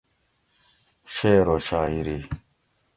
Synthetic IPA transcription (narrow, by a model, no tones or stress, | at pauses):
ɕeːɾoɕaːiɾi